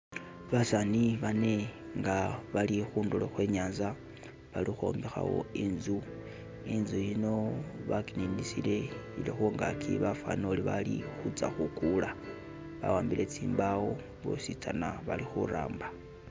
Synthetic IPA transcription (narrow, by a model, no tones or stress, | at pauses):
βasaniβane̞ŋɡaβalixuːnduloxwe̞ːɲaːnza | βalixo̰ːmbixa̰wo̞̰inzu | inzujino̞βakininisile̞ilexoŋɡakʰḭβafa̰noliβalixut͡saxukula | βa̰waːmbile̞t͡siːmbawo | βo̰sit͡sanaβalixuɾa̰ːmba